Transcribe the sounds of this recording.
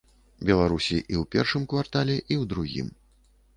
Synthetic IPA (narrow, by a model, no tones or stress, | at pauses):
bʲɛlˠaɾusʲiʔiwpʲɛrʂɨmkvart̪alʲɛʔiwd̪ɾuɣʲḭm